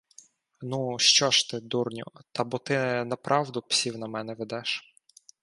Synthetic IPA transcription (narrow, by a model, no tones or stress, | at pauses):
nuʃt͡ʃɔʃt̪ɪd̪urnʲʊ̰t̪ɑbɔt̪ɪnɐpɾʔɑwd̪ʊpsʲiwnɐmɛnɛʋed̪ɛʃ